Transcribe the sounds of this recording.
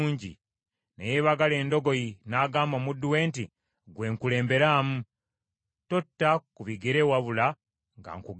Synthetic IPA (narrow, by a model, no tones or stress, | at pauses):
ɲɟḭ | nejeβaɡale̞ːndo̞ɡo̞jinaɡaːmbomudːuwe̞ːnti | ɡwe̞ːŋkule̞ːmbe̞ɾaːmu | totːakuβiɡeɾewaβula | ŋɡa̰ŋkuɡ